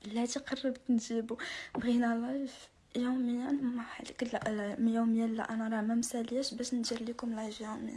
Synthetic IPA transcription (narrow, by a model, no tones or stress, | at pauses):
lːæt̪iqɑrˤːɑbt̪nʒibubɣinælɑjf | juməjːænmaħalkəlʔmjuməjælːæ̰ʔænæɾˤɑmæmsæljæʃbæʃnd̪iɾlikʊmlɑjfjuməjæ